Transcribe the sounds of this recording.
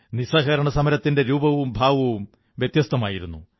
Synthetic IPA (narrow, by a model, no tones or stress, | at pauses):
nisɐːɣɐɾɐɳɐsɐmɐɾɐt̪ːinde̞ɾuːbɐʋumbʱaːʋɐʋum | ʋjet̪jɐst̪ɐmaːjiɾunːu